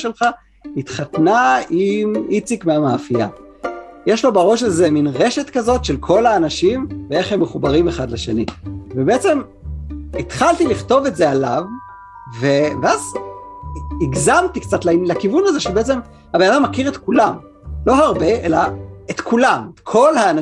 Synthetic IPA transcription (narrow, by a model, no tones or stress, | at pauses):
ʃelχa | it̪χat̪naimit͡sikmeamaːfija̰ | jeʃlo̞baʁo̞ʃalze̞minʁe̞ʃet̪kazo̞tʃe̞lkʰo̞laːnaʃimvee̞χhemːeχubaʁimeχadlaʃe̞nḭvebeet͡se̞m | it̪χalt̪iliχto̞vetze̞ala̰v | veveaz | iɡzamt̪ikt͡satlalakivunazeʃebeet͡se̞m | habenad̪amːakiʁe̞t̪kulam | lo̞ɦaʁbe̞ʔelaet̪kʰulametkʰo̞lhaːn